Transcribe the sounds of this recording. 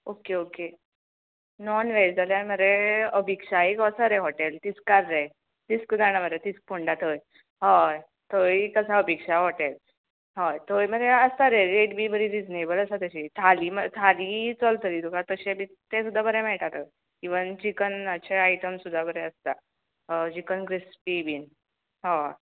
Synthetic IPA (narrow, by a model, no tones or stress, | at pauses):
okeoke | nɔnʋesd͡zʱaljaməɾeəbʱikʂaekɔsəɾeɦoʈelt̪it͡skaɾːe | t̪iskd͡zaɽ̃abəɾet̪isk̚pʰoɳɖat̪əj | ɦaj | t̪ojkəsaəbikʂaɦoʈel | ɦɔjt̪ojməɾeəst̪aɾeɾeʈbʱibəɾiɾid͡znebələsat̪əɕit̪ʰalimət̪ʰalit͡səlt̪ʰəliːt̪ukat̪əɕebi | t̪ẽsud̪ːabəɾemɛɭʈat̪əj | kiʋənd͡ʑikənəɕʰeaiʈəmsud̪ʱːabəɾeəst̪a | d͡ʑikənkɾispibin | ɦa